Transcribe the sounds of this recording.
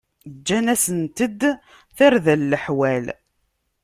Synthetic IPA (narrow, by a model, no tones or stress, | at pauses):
d͡ʒːænæsənt̪əd̪ | θæɾðælːəħwæl